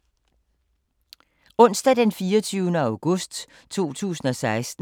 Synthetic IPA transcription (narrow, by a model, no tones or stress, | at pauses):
ɔ̽n̰sd̥æd̥enfiːɒt͡sʰyʊnəɑ̈ʊɡ̥ɔsd̥ | t͡sʰo̝̰ːt͡sʰṵːsn̩ɒ̽sɑ̈ɪsd̥n̩